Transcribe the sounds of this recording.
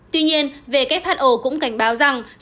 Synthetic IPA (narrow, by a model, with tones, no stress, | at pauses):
t̪wi˧ɲi˧ənve˨˩kaː˦˥k̚faː˦˥t̚ʔo˧˩kʊ̰˧˥ŋ͡mka˧˩jŋ̟ɓaː˨˦wza˨˩ŋ